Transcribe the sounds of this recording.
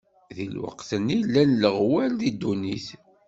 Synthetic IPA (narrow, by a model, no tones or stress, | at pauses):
ðilwə̰qθənilːænləʁwælðid̪ːuniθ